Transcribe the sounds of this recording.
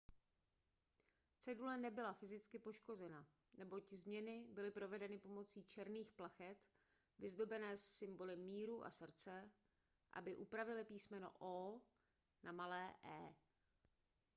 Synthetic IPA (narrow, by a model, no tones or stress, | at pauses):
t͡sɛdulɛnɛbɪlafɪzɪt͡skɪpo̞ʃko̞zɛna | nɛbo̞czmɲɛnɪbɪlɪpɾo̞vɛdɛnɪpo̞mo̞t͡siːt͡ʃɛɾniːxplaxɛt̪ | vɪzdo̞bɛnɛːsːɪmbo̞lɪmːiːɾuʔa̰sr̩t͡sɛ | ʔa̰bɪʔupɾavɪlɪpiːsmɛno̰ʔoː | nʔamalɛːʔɛ̰ː